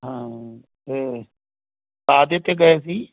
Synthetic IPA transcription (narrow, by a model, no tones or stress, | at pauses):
ɦãː | eː | baːd̪et̪ːeːɡəes̬iː